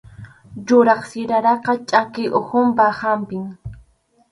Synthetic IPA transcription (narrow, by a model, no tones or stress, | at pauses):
ʎʊɾɑχsɪɾaɾɑqɑt͡ʃʼakɪʔohʊmpahampɪŋ